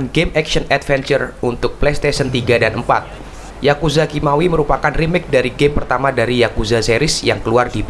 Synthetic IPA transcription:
nɡemɛksənɛt̪fɛnt͡ʃərunt̪ʊk̚plest̪esənt̪iɡadanəmpa̰t̪̚ | jakuzakimawiməɾupakanrimɪk̚daɾiɡempərt̪amadaɾijakuzaseɾɪsjaŋkəluardip

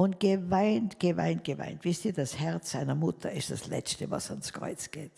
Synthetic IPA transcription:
ʊntɡ̥əvaɪntɡ̥əva̰ɪnt̚ɡ̥əva̰ɪntv̥ɪstiːɐdashɛʁt͡sz̥aɪnɐmʊtʰəɪsd̥aslɛ̰t͡stəvɑ̰sanskʁ̥ɔ̰ʏt͡sɡ̥ḛːt

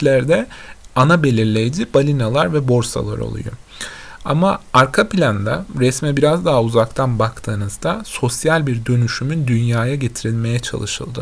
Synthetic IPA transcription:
lʲæɾd̪ɛanabe̞lʲiɾlʲejd͡ʒib̥alʲinalˠaɾvɛbo̞ɾsa̰lˠa̰ɾo̰lˠṵjo̰ | a̰maaɾkʰapilʲand̪aɾɛsmɛbiɾazd̪aɦauzakt̪ʰanbakt̪ʰɯːnɯzd̪aso̞sjalʲbiɾd̪ø̞nyʃymynd̪ynjaːjaɟe̞t̪ʰiɾilʲme̞jɛt͡ʃʰa̰lˠɯʃɯ̰lˠd̪ɯ

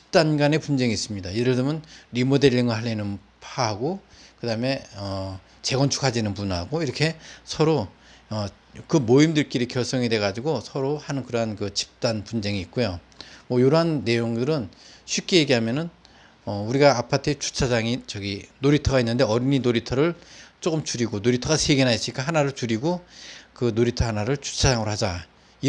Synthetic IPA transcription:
t͡ɕʰi̥p̚t͈anɡane̞pund͡ʑe̞ŋiːs͈ɯmɲidajeɾɯɭdɯmjʌnɾimode̞ʎːiŋɯɭɦaɭːenɯn | pʰaɦaɡokɯdaɯme̞ʌ | t͡ɕe̞ɡʌnt͡ɕʰu̥kʰad͡ʑinɯnpunɦaɡoiɾʌkʰe̞sʰʌɾo | ʌ | kɯmoimdɯɭk͈iɾikjʌɭs͈ʰʌŋide̞ɣad͡ʑiɡosʰʌɾohanɯnkɯɾʌɦankɯt͡ɕʰi̥p̚t͈anpund͡ʑe̞ŋiːt̚k͈ojo | mwʌjoɾoɦanːe̞joŋdɯɾɯnɕʰɥip̚k͈e̞jeɡiɦamjʌnɯn | ʌuɾiɡaːpʰatʰet͡ɕu̥t͡ɕʰad͡ʑaŋit͡ɕʌɡinoɾitʰʌɡainːɯnde̞ʌɾininoɾitʰʌɾɯɭt͡ɕ͈ok͈ɯmt͡ɕuɾiɡonoɾitʰʌɡasʰeɡenaɦes͈iik͈aɦanaɾɯɭt͡ɕuɾiɡokɯnoɾitʰʌɦanaɾɯɭt͡ɕu̥t͡ɕʰad͡ʑaŋɯɾohad͡ʑa | i

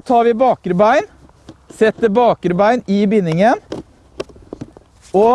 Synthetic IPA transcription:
t̪ʰɑːɾʋɪːbɑːkəɾbæɪn | sɛt̪ːəbɑːkəɾbæɪnɪbɪnːɪŋən | o

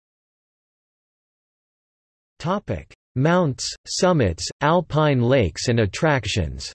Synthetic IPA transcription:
tʰɑpɪ̰k | mãʊ̃ntssʌmɨtsʔælˠpʰãɪ̃nleɪksɨ̃nɨtʰɹ̥ækʃɨ̰̃nz̥

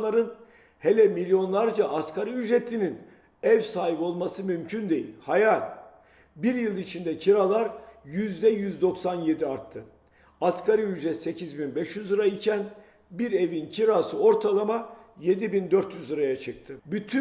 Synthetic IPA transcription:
aɾɯn | helʲɛmilʲːjo̞nlˠaɾd͡ʒaʔaskʰaɾɯyd͡ʒɾet̪ʰːinin | ɛvsaːɦipo̞lˠmasɯmymcʰynd̪e̞jḭlʲhajalʲ | biɾjɯlˠit͡ʃʰind̪ɛcʰiɾalˠaɾjyzd̪ɛjyzd̪o̞ksanje̞d̪iaɾt̪ʰːɯ | askʰaɾɯyd͡ʒɾɛse̞cʰizbinbɛʃjyzɯɾaicʰæn | biɾe̞vincʰiɾasɯo̞ɾt̪ʰalˠamaje̞d̪ibind̪øɾt̪jyzɯɾajat͡ʃʰɯk̚t̪ʰɯbyt̪ʰy

